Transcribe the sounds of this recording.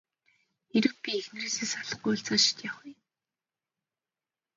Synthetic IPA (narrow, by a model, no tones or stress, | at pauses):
xeɾɘ̆k̚pʲiexn̆reːseːsaɮə̆χ̚ɡujʊɬt͡saːʃɪ̥t̪jaχj